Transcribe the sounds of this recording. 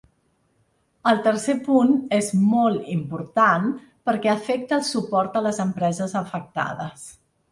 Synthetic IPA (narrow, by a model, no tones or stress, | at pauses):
əlˠt̪ərsepunezmɔlˠt̪impuɾt̪an | pəɾkɛəfɛk̚t̪əːlˠsupɔɾt̪ələzəmpɾɛzəzəfək̚t̪a̰ðəs